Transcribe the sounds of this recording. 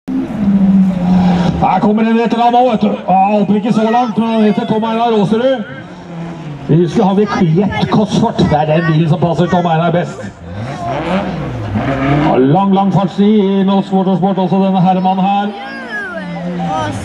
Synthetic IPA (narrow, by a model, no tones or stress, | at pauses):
hæːɾkʰɔmːəɾɪnːɛt̪ːəɾɑːmoːɛt̪holpəɾɪkːəsɔlɑŋt̪mɛnɛheːt̪ːəʈʰɔmæɪnɑɾoːsəɖʉ | ʋɪhʉskəhɑnʋ̪ɪkʰɛt̪ːkʰɔsfɔʈːd̪ɛæɖɛnbiːn̩sɔmpʰɑsəɾʈʰɔmæɪnɑbɛst̪ | ɑ̰ɭɑŋːlɑŋfɑʈsiɪnɔʊspɔʈɔʂpɔːʈɔlsɔd̪ɛnːəɦæɾmɑnːhæːɾ